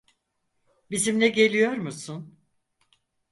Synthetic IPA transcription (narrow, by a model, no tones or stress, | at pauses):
bizimlʲɛɟe̞lʲijo̞ɾmusun